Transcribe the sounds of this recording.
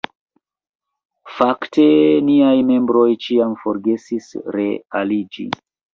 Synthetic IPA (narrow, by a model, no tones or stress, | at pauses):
fakte̞niajme̞mbɾo̞jt͡ʃiamfo̞ɾɡe̞sisɾe̞alid͡ʒḭ